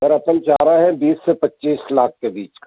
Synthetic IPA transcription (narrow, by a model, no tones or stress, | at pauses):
ɐɾɐpənt͡ʃaːɾaɦɛ̃biːsːepɐtːʃiːslaːk̚ʰkebiːt͡ʃk